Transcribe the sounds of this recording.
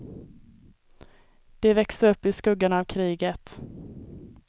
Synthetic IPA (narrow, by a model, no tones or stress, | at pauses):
d̪̥ɛvɛksəɾɵpːɪskɵɡːanavkʰɾiːɡət̪